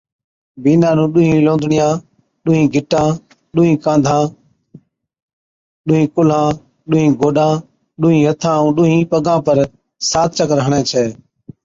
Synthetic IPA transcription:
biːnãːnũːɗʊɦĩːlõːnd̪ʱɳɪjãː | ɗʊːɦĩːɡʱɪʈãː | ɗʊːɦĩːkãːnd̪ʱãː | ɗʊːɦĩːkʊlãː | ɗʊɦĩːɡʱoːɗãː | ɗʊːɦĩːɦət̪ʰãːũːɗʊːɦĩːpəɡãːpəɾ | saːt̪̚t͡ʃəkɾəɦəɳɛ̃ːt͡ʃʰɛː

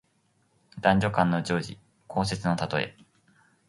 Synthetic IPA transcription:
d̪ãɲ̟d͡ʑo̞kãnːo̞d͡ʑo̞ːʑḭ | kʰo̞ːs̬e̞t͡sɨno̞t̪at̪o̞e̞̰

